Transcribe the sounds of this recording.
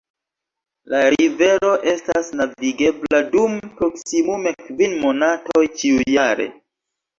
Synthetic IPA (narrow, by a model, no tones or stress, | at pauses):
laɾive̞ɾo̞ʔe̞stasnaviɡe̞bladumpɾo̞ksimume̞kvinmo̞nato̞jt͡ʃiujjaɾe̞̰